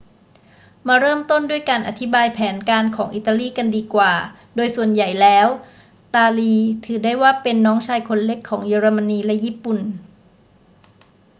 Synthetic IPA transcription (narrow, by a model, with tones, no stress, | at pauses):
maː˧ɾɤː˥˩mt̪o˥˩ndu˥˩əjkaː˧nʔa˧t̪ʰi˦˥baː˧jpʰɛː˩˦nkaː˧nkʰɔː˩˦ŋʔi˨˩t̪ːa˧liː˥˩ka˧ndiː˧kwaː˨˩ | doː˧jsu˨˩ənja˨˩jlɛː˦˥w | t̪aː˧liː˧t̪ʰɯː˩˦daː˥˩jwaː˥˩pe˧nːɔː˦˥ŋt͡ɕʰaː˧jkʰo˧nle˦˥kʰːɔː˩˦ŋjeː˧ɾa˧ma˧nːiː˧lɛ˦˥jiː˥˩pu˨˩n